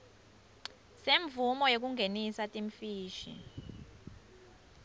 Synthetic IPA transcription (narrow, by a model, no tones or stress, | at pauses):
seɱvumɔjok̬uŋɡʱenisatʼiɱfiːʃḭ